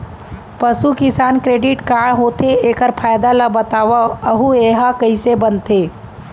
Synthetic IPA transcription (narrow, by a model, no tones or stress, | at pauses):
pəsukɪsaːnkɾeːɖɪʈkãɦoːt̪eeːkəɾpʰaːjd̪alabət̪aːʋaəɦueɦakəɦisebənt̪eː